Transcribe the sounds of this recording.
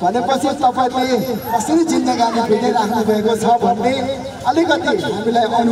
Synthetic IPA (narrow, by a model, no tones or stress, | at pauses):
bʱʌlepʌt͡sʰit̪ʌpajleʌsʌɾid͡zind̪ʌɡanebʰʱiɽeɾakʰnubʱʌekot͡sʰʌbʱʌnːe | ʌlikʌt̪iɦamilajʔʌn